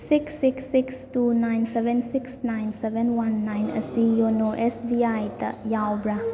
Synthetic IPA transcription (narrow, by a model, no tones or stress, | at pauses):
siksːiksːikstunajnsebʱensiksnajnsebʱenwanːajnɐ̰sijonoʔesbiajtɐ̰jawbɾa